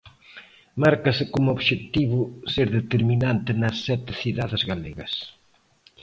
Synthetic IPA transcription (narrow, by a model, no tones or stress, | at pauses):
maɾkɐsɪkomʊoβʃet̪iβʊseɾðet̪eɾminant̪ɪnɐsːɛt̪ɪθiðaðɪzɣalḛɣɐ̰s